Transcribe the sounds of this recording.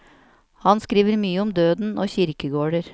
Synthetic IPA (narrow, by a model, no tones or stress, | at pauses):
hɑnskɾiːʋəɾmyːəɔmd̪øːd̪n̩oːçɪɾkəɡoːɖəɾ